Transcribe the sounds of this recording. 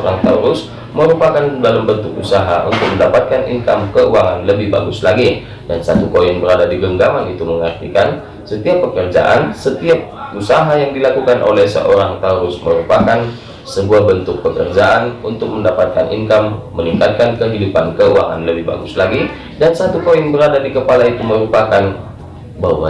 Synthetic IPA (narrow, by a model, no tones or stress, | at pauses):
oɾaŋt̪auɾʊs | məɾupakandalambənt̪ʊk̚usaɦaʔṵnt̪ʊk̚məndapat̪̚kanʔḭŋkamkəuaŋanləbɪhba̰ɡʊslaɡi | dansat̪ukojɛnbəɾadadiɡəŋɡaŋanit̪uməŋart̪ikan | sət̪iapːəkərd͡ʒa̰ʔa̰nsət̪iap̚usaɦajaŋdilakukanʔo̰lɛhsə̰ʔoɾaŋt̪əɾʊsməɾupakan | səbuabənt̪ʊk̚pəkərd͡ʒaʔanunt̪ʊk̚məndapat̪̚kanʔḭŋkamːəniŋkat̪̚kankəɦidupankəua̰ŋa̰nləbɪhba̰ɡʊslaɡi | dansat̪ukoɪŋbəɾadadikəpalait̪uməɾupakan | bawa